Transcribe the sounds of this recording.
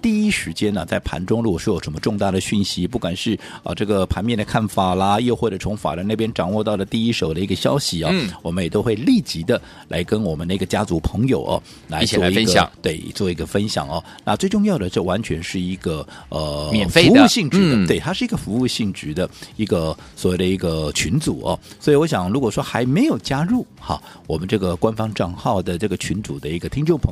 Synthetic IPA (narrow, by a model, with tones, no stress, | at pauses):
t̪i˥˩i˥ʂɻ̩˧˥t͡ɕjɛ˥nə˨t͡sa˥˩ɪpʰa̰˧˥nʈ͡ʂʊ˥ŋlɻu˧˥ɔ˨˩ʂɻ̩˥jo˨˩ʊʂə˧˥mə˧ʈ͡ʂʊ˥˧ŋt̪a˥˩d̪ə˩ɕy˥˩nɕi˥pu˥˩kwa˨˩nʂɻ̩˥˩ | ə̰˧˩ʈ͡ʂɤ˥˩ɡə˩pʰa˧˥nmjɛ˥˩nd̪ə˩kʰa˥˩nfa˨˩lɐ˧jo˥˧ʊxwɔ˥˩ʈ͡ʂə˨˩t͡sʰʊ˧˥ŋfa̰˨˩ɾə˧˥na˥˩pjɛ˥nʈ͡ʂɑ˨˩ŋwɔ˥˧t̪ɑ˥˩ʊlə˩t̪i˥˧i˥ʂo˨˩ʊd̪ə˦i˧˥ɡə˧ɕjɑ̰˥ʊɕi˨ɐ˧wɔ˨˩mə˦njɛ˨˩t̪o˥ʊxwe˥˧ɪli˥˩t͡ɕi˧˥d̪ə˧ | lʔa̰˧˥ɪkə˥nwɔ˨˩mə˦na˥˩˥ɡə˩t͡ɕja˥t͡su˧˥pʰɤ˧˥ŋjo̰˨˩ʊʔɐ̰˦ | la˧˥ɪ˥wɔ˥˩˧i˧˥ɡt̪we˥˩ɪt͡swɔ˥˩i˧˥ɡə˧fə˥nɕjɑ̰˨˩ŋɐ˧ | na̰˥˧t͡swe˥˧ɪʈ͡ʂʊ˥˧ŋjɑ˥˩ʊd̪ə˩ʈ͡ʂɤ˥˩wa˧˥nt͡ɕʰɥɛ˧˥nʂɻ̩˥˩i˧˥ɡ̥ə˧ | ə˩mjfe˧u˧˥˧ɕi˥˩ŋʈ͡ʂɻ̩˧˥d̪ə˧t̪we˥˩ɪt̪ʰa˥ʂɻ̩˥˩i˧ɡə˧fu˧˥u˥˧ɕi˥˩ŋʈ͡ʂɻ̩˧˥d̪ə˧i˧˥ɡə˧ | swɔ˨˥we˥˩ɪd̪ə˧i˧˥ɡə˧t͡ɕʰy˧˥nt͡su˨˩ɐ̰˧swɔ˧˥i˨wɔ˧˥ɕjɑ˨˩ŋɻu˧˥kwɔ˨˩ʂwɔ˥xa˧˥ɪme˧˥ɪjo˨˩ʊt͡ɕja˥ɻu˥˩ | xɐ̰˨˩ | wɔ˨˩mə˦nʈ͡ʂɤ˥˩ɡə˩kwa˥nfɑ˥ŋʈ͡ʂɑ˥˧ŋxɑ˥˩ʊd̪ə˩ʈ͡ʂɤ˥˩ɡə˩t͡ɕʰy˧˥nt͡su˨˩d̪ə˦i˧˥ɡə˧t̪ʰi˥ŋʈ͡ʂʊ˥˩ŋpʰ